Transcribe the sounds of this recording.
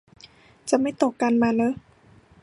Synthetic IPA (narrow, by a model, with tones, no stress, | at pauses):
t͡ɕa˨˩ma˥˩jt̪o˨˩kːa˧nmaː˧lɤː˧˥